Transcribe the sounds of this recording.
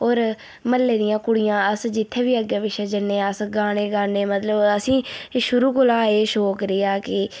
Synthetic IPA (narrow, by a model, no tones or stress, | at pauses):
oːɾ | məlːeːd̪ɪjãːkʊɽɪjãːəsd͡ʒɪt̪ʰːẽːʋiːəɡeːʋɪʃeːd͡ʒənːeːəsɡaːneːɡaːneːmət̪ləbəsĩːʃʊɾuːkʊlaːeːʃoːkɾɪːaːkɪ